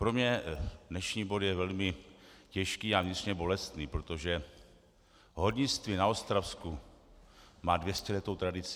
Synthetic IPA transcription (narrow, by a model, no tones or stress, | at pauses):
pɾo̞mɲɛdnɛʃɲiːbo̞djɛvɛlmɪcɛʃkiːavɲɪt̪r̥ɲɛbo̞lɛst̪niːpɾot̪o̞ʒɛ | ɦodɲɪt͡st̪vɪnaost̪ɾafsku | maːdvjɛscɛlɛt̪o̞wt̪ɾadɪt͡s